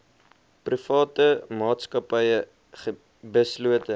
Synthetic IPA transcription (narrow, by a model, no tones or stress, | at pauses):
prifɑːtəmɑːtskɐpɐjə | χə | bəsluətə